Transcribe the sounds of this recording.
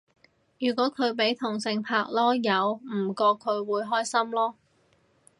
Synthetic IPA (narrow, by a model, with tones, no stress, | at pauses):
jyː˨˩kʷɔː˨˥kʰɵ˨˧ɥpe˨˥jt̪ʰʊ˨˩ŋsɪ˧ŋpʰaː˧k̚lɔː˥jɐ˨˧wm̩˨˩kɔː˧kʰːɵ˨˧ɥwuː˨˧jɦɔː˥jsɐ˥mlɔː˥